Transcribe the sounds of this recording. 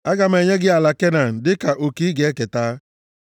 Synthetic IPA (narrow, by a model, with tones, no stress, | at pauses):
a˦ɡa˨m˦e˨ɲe˦ɡɪ˦a˨la˨ke˦na˨n̩˨dɪ˦ka˨ʔo˨ki˦i˦ɡe˨˦e˦ke˨taː˦